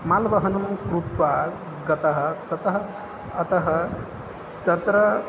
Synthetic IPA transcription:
maːlʋɐɦɐnɐmkɾut̪ʋaːɾ | ɡɐt̪ɐɦɐ̆t̪ɐt̪ɐɦɐ | ɐt̪ɐɦɐ | t̪ɐt̪ɾɐ

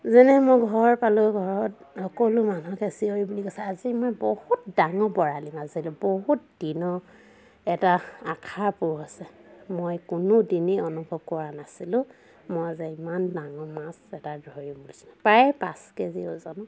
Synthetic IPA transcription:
zɛnɛmojɡʱɔɹpalʊɡʱɔɹɔthɔkɔlʊmanukesioɹibulikɔsɛazimɔjbohutdaŋɔbɔɹalimazilʊ̃boɦutdinɔ | ɛtaakʰapʊɹasɛmojkʊnʊdiniɔnubʱɔb̚kɔɹanasilʊ̃ | mojazɛimandaŋɔmasɛtadɹɔɹibulisi̥lapɹajɛpa̰skɛzio̰zɔnɔ

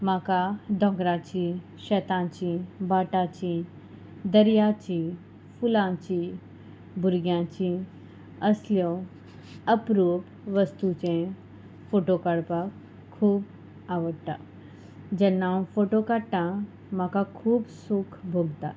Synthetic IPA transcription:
makad̪ʱɔ̃ɡɾat͡ɕi | ɕɛt̪ãt͡ɕibaʈat͡ɕi | d̪əɾjat͡ɕi | fulãt͡ɕi | bʱuɾɡjãt͡ɕi | əsljɔ | əpɾup | ʋəst̪ut͡ɕẽ | foʈokəɽpakʰː | uːp | aʋəɽt̪a̰ | d͡ʑənːãwfoʈokaʈã | makakʰuːbsukʰbʱoɡt̪a̰

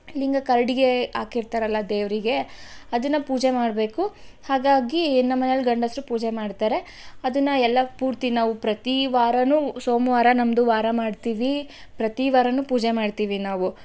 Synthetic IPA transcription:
liŋɡɐkɐɾɐɽiɡe̞aːkiɾt̪aːɾɐlːɐd̪eːʋɾiɡe̞ɐd̪ɐnːɐpuːd͡ʒemaːɖbe̞ːkuhaːɡaːɡinːɐmːɐnelɡɐɳɖɐsɾupuːd͡ʒemaːɖt̪aːɾe̞ | ɐd̪ɐnːɐɛlːɐpuːɾt̪inaːʋupɾɐt̪iʋaːɾɐnusoːmʋaːɾɐnɐmd̪uʋaːɾɐmaːɖt̪iːʋi | pɾɐt̪iʋaːɾɐnupuːd͡ʒemaːɖt̪iːʋinaːʋu

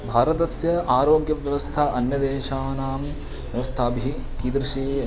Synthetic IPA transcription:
bʱaːɾɐt̪ɐsjɐaːɾoːɡjɐʋjɐʋɐst̪ʰaʔɐnjɐd̪eːʃaːnaːm | ʋjɐʋɐst̪ʰaːbʱiɦi | kiːd̪ɾɪʃeː

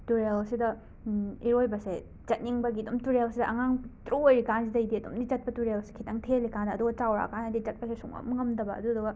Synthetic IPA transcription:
tuɾelsidɐ | iɾojbɐse | d͡ʒɐt̚niŋbɐɡiɐdumtuɾelsidɐʔɐŋaŋtɾujɾikansidɐjdiɐdṵmdit͡ʃɐt̚pɐtuɾelsi̥kʰitʰɐŋtʰelikandɐːduɡɐt͡ʃawɾa̰kanɐdit͡ʃɐt̚pɐsesuŋɐ̰mɐŋɐmdɐbɐɐ̰duɐduɡɐ

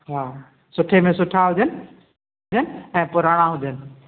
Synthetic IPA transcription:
ɦaː | sʊʈʰemẽsʊʈʰaɦʊd͡ʑənɪ̆ | ɦʊd͡ʑənɪ̆ɛ̃ːpʊɾaːɽ̃aɦʊd͡ʑənɪ̆

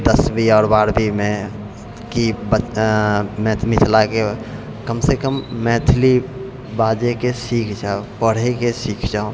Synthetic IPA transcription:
d̪əsbʱiɔːɾbaːɽbʱimẽ | kibə | mɛ̃ːt̪ʰmɪt̪ʰlake | kəmsekəmːɛ̃ːt̪ʰli | baːd͡ʒekesiːkʰd͡ʒaːopəɽ̤ikesiːkʰd͡ʒaːõ

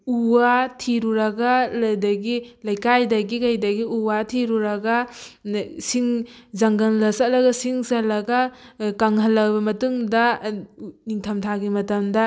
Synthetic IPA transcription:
uwatʰiɾuɾɐɡalɐjdɐɡilɐjkajdɐɡikɐjdɐɡiuwatʰiɾuɾɐɡɐ | siŋzɐŋɡɐnlɐsalɐɡɐsiŋsɐlɐɡɐkaŋɦɐlːɐwbɐmɐtuŋdɐ | niŋtʰɐmtʰaɡimɐtɐmdɐ

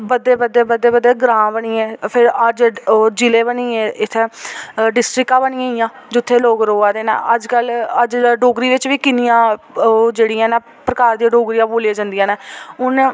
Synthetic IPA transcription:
bəd̪ːeːbəd̪ːeːbəd̪ːeːbəd̪ːeːɡɾãːbəɳiːɛːpʰɪɾəd͡ʒd͡ʒɪleːbəniːeːɪt̪ʰːeːɖɪsʈɾɪkãːbəɳiːãːijãːd͡ʒʊt̪ʰːeːloːɡɾoːaːd̪eːnɛ̰ːʔəd͡ʒkələd͡ʒɖoːɡɾiːʋɪt͡ʃʋiːkɪnijãːd͡ʒeːɽiːãːnaː | pɾəkaːɾd̪iãɖoːɡɾijãːboːleːd͡ʒãnd̪ijãːnɛːʊn

